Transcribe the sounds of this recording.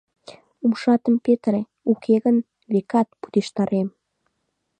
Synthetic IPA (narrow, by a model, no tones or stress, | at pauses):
umʃɑt̪əmpet̪re | ukʰeɣən | βekɑt̪̚pu̥d̪eʃt̪ɑɾem